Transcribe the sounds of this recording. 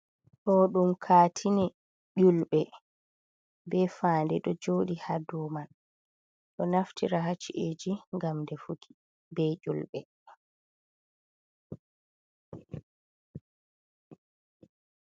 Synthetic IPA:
ɗɔɗumkʰaːtʰinɛ | ʄulɓɛ | bɛfaːndɛɗɔd͡ʒoːɗihaduːman | ɗɔnaftʰiɾaɦat͡ʃiʔed͡ʒiŋɡamdɛfukʰi̥ | bɛʔulɓɛ

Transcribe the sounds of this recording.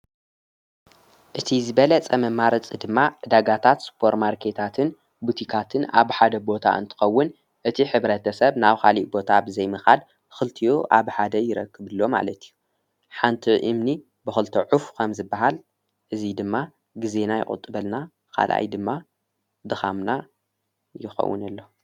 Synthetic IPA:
ʔɨt̪ʰizɨβɐlɐt͡sʼɐmɐmaɾɐt͡sʼid̪ɨmːaʕɨd̪aɡat̪ʰat̪spʰo̞ɾtmaɾkʰe̞t̪ʰat̪ʰɨn | but̪ʰikʰat̪ʰɨna̰βħad̪ɐbo̞t̪ʰa̰ʔɨ̰nt̪ʰɨ̥xɐwːʊn | ʔɨt̪ʰiħɨβɾɐt̪ʰɐsɐβnaβkʰaliʔbo̞t̪ʰabɨzɐjmɨxal | xɨlt̪ʰiʔuʔa̰βħad̪ɐjɪɾɐ̰kːɨβɨlːo̞ma̰lɐt̪ʰi̥jːu | ħant̪ʰiʔɨmni | bɨxɨlt̪ʰɐʕufkʰɐmzɨbːaɦal | ʔɨzid̪ɨmːa | ɡize̞najɪ̰χʼɨ̰t̪ʼːɨβɐlna | kʰa̰lʔa̰jd̪ɨmːa | d̪ɨxamna | jɪxɐ̰wːɨ̰nɐlːo

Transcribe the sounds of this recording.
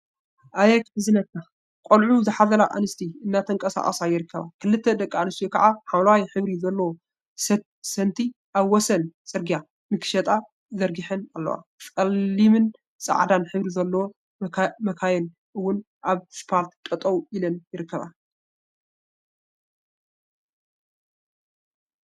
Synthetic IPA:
ʔajɛkħɨzɨnɐt̪̚kʰːa | kʼolʕuzɨħazɐɾaʔa̰nɨst̪ʰiɨnːat̪ʰɐŋkʼɐsa̰ʔʼɐsajɪɾɨkːɐβa̰kʰɨlɨt̪ʰːɐd̪ɐkʼːaanɨst̪ijokʰɐʕaħamlawjħɨβɾizɐlːɐwo | sɐnt̪ʰiʔaβwɔsɐnsʼɨɾɡija | mɨkʰʃɐt̪ʼa | zɐɾɡiħɨnalːɐ̰wa̰kʼɐlːimɨn | sʼɐ̰ʕd̪anħɨβɾizɐlːɐwo | mɐkʰajɛn | ʔɨwːʊn | ʔaβspʰaɾt̪t̪ʼɐt̪ʼɐwʔilɐnjɪɾɨkːɐβa̰

